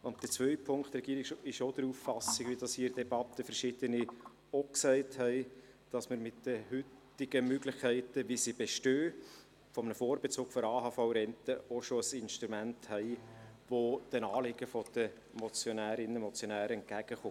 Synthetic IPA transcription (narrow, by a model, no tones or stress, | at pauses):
ʊnt̚d̪̥ət͡svœʏpʰʊŋkt̪rɛɡiːɾɪkʃɪʃod̥̪əɾuːffɑsɪɡʋid̥ɑshiːɾd̥ɛbɑt̪ːəfəɾʃɪd̥̪əni | oksɛɪthɛɪ | d̥ɑsməɾmɪt̚d̥əhʏtː | ɪɡəmøɡlɪχkʰɛɪtəʋisibeʃtøː | fɔmənəfoːɾbɛt͡soːɡ̥fɔɾɑːɦɑfaʊɾɛntəoʃoəsɪnʃt̪ɾumænthɛɪʋod̥ənɑːlɪɡəfɔd̥ə | mɔt͡sjonæːɾɪnəmɔt͡sjonæːɾəɛnt̚ɡ̥æɡ̥əχo